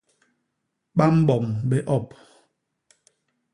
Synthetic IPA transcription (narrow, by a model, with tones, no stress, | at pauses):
ɓa˦m̩˦bɔ˨mbɛ˦ʔɔ˦˨p